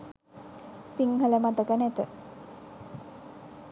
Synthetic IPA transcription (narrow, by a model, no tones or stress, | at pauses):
siŋɦələmat̪əkənæt̪ə